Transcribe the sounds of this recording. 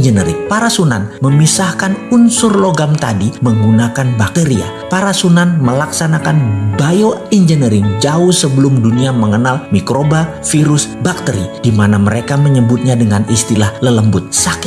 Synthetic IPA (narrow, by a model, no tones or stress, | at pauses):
d͡ʒənəɾɪ̰ŋpaɾasuna̰nməmisahkanunsʊrloɡamt̪a̰diməŋɡunakanbak̪̚əɾia̰ | paɾasunanməlaksanakanbajoind͡ʒənəɾɪŋd͡ʒaʊhsəbəlʊmduniaməŋənalmikɾoba | fiɾʊsbak̚t̪əɾid̥imanaməɾekaməɲəbʊt̪̚ɲadəŋanist̪ilahlələmbʊt̪̚sakɪ̥